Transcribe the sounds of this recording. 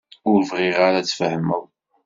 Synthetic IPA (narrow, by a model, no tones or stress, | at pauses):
ʊɾvʁiʁaɾat͡sːfəhməw